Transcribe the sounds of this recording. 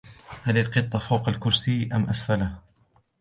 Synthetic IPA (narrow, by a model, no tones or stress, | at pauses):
halɪlqɨt̪ˤːɑfawqalkʊɾsɪːʔamʔasfalah